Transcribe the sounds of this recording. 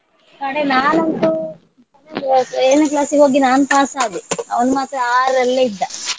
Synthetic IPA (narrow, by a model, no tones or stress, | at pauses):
kɐɽenaːnɐnt̪u | seːnɐklaːsio̞ːɡinaːnupaːsaːɡ̪eɐ̰ʋɐnumaːt̪ɾɐaːɾɐlːɐid̪ːɐ